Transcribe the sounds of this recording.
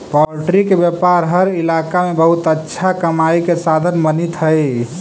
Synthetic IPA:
pɔɾʈɾikebjepaɾɦəɾilakamebəɦut̪ətːʃʰakəmaikesad̪ʱənmənit̪ɦəj

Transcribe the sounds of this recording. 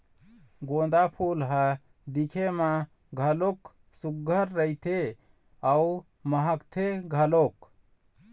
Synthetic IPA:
ɡõːd̪apʰulɦa | d̪ikʰemã | ɡʱɐlok | suɡʱːəɾːəjt̪ʰe | au | məɦəkt̪ʰeɡʱɐlok

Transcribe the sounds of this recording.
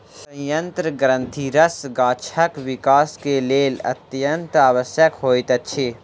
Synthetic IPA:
sɐ̃jɐ̃nt̪ɾəɡɾə̃nt̪ʰiɾɐsɡaːt͡ʃʰɐkʋɪkaːskeleːlɐ̰t̪jɐnt̪aːʋəsjəkɦoːit̪ɐtːʃʰeː

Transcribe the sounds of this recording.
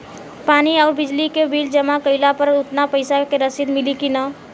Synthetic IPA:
paːniɔːɾbɪd͡ʒlikebʱiːld͡ʒəmakəɪlapəɾʊt̪napəɪsakeɾəsid̪mɪlikina

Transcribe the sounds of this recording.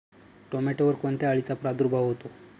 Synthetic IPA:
ʈomeʈeʋəɾkoɳt̪jaːɭit͡sapɾad̪uɾubʱaʋɦot̪o

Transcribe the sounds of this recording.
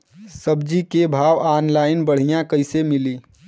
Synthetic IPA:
səbd͡ʒikebʱaːʋaːnlaːɪnbəɽ̤ijãkɐɪsemɪliː

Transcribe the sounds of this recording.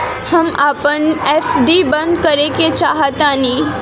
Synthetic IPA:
həmaːpənefɖ̪ibə̃nd̪kəɾeket͡ʃaːɦat̪ãni

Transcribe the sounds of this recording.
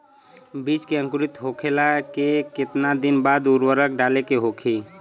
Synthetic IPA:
bit͡ʃkeə̃ŋkuɾit̪ɦokʰelakeket̪nad̪inbad̪uɾwəɾək̚ɖalekeɦokʰi

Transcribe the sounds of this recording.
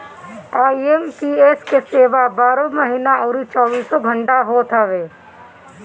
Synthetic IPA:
aːiemʈieskeseːʋabaːɾõməɦiːnaoːɾit͡ʃɔːbiːsoɡʱə̃ɳʈaɦoːt̪ʰaʋeː

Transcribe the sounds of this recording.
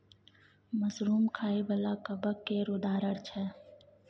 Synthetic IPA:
məzɾuːmkʰaːebɐlakəbəkːeɾod̪aːɾəɽt͡ʃʰɛː

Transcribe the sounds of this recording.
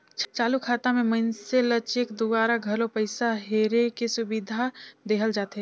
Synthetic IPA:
t͡ʃt͡ʃaːlukʰaːt̪amẽmɐnselɐt͡ʃekd̪ubaːɾaɡʱɐɾõpəɪsaɦeːɾekesʊbɪd̪ʱad̪eːɦəld͡ʒaːt̪ɦɛ

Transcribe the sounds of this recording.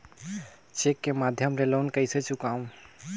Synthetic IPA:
t͡ʃekːemad̪ʱjəmɾelonkəɪsət͡ʃʰukãũ

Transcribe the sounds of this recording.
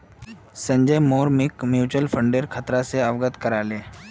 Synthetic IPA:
sə̃ɲd͡ʒəjmoːɾmɪkmjuːt͡ʃəlfʰə̃ɳɖeɾkʰət̪ɾaseəʋɡət̪kəɾaːleː

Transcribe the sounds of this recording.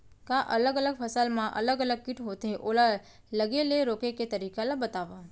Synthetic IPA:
kaʔələɡələɡfʰəsəlmãʔə̰ləɡələɡ̚kɪʈɦot̪eʔola | ləɡeleɾokeket̪əɾikalabət̪aʋa

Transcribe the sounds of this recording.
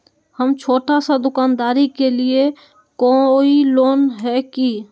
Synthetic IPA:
həmt͡ʃʰoːʈasad̪ʊkaːnd̪aːɾikelie | kɔiloːnɦɛki

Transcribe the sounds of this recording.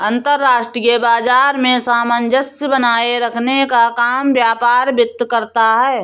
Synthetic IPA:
ɐ̃nt̪əɾːaːʃʈɾijebaːd͡ʒaːɾmẽsaːmənd͡ʒəsəbənaːeɾəkʰnekakaːmbjaːpaːɾbɪt̪ːkəɾt̪aɦɛː

